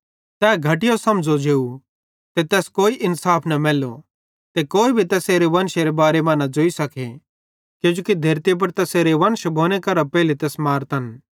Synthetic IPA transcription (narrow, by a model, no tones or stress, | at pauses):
t̪ɛːɡʱɐʈ̬ɪjosɐmd͡ʒod͡ʒeːu | t̪et̪ɛːskoːiʔɪnsaːpʰnɐmɛːlo | t̪ekoːibʱit̪ɛːseːɾeʋɐnʃeɾebaːɾemɐ̃ːnad͡ʒoːisɐkʰe | kjũːd͡ʒoːkid̪ʱɐɾt̪ip̬ɐɾt̪ɛːseːɾeʋɐnʃbʱoːñekɐɾapɛːlit̪ɛːsmaːɾt̪ɐn